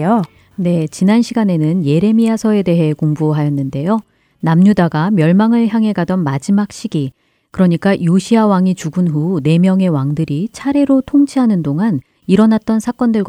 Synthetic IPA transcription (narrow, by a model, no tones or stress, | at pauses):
o | ne̞t͡ɕinanɕʰiɡane̞nɯnje̞ɾe̞miasʰʌe̞de̞ɦe̞koŋbuɦajʌnːɯnde̞jo | namɲudaɡamjʌɭmaŋɯɭçjaŋɦe̞ɡadʌnmad͡ʑimak̚ɕ͈iɡi | kɯɾʌɲik͈ajoɕʰiawaŋit͡ɕuɡɯnɦune̞mjʌŋe̞waŋdɯɾit͡ɕʰaɾe̞ɾotʰoŋt͡ɕʰiɦanɯndoŋan | iɾʌnat̚t͈ʌnsʰak͈ʌndɯɭɡ